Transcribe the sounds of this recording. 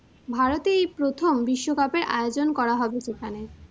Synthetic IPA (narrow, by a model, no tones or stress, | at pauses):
bʱaɾot̪ejpɾot̪ʰombiʃːokapeɾʔa̰eod͡ʑonkɔɾaɦɔbet͡ɕekʰane